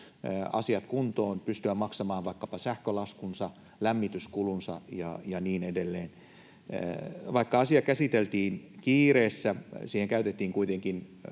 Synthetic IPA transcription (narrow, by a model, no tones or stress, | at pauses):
ɑ̰siɑt̪kunt̪oːnpyst̪yæmɑksɑmɑːʋʋɑikːɑpɑsæhkølɑskunsɑ | læmːit̪yskulunsɑ̰jɑjɑniːnedelːeːn | ʋɑikːɑɑsiɑkæsit̪elt̪iːnkiːreːsːæsiːheŋkæyt̪et̪ːiːŋkuit̪eŋkin